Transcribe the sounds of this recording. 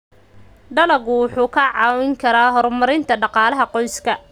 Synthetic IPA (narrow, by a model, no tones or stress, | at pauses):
ɖɐlɐɣʊwʊħuːkʰɐʕɑːwɪŋkʰɐɾaːɦɔrmɐɾɪnt̪ʰɐɖɑqɑːlɐɦɐqɔjskʰɐ